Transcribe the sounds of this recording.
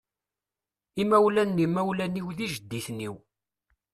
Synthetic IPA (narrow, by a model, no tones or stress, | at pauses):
imæwlænːimæwlæniwðiʒəd̪ːiθniw